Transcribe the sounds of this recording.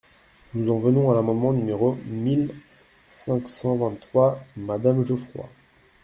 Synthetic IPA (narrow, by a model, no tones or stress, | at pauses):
nuzɑ̃vənɔ̃alamɑ̃d̪mɑ̃nymeʁomil | sɛ̃ksɑ̃vɛ̃nt̪ːχwamad̪amʒəfχwa̰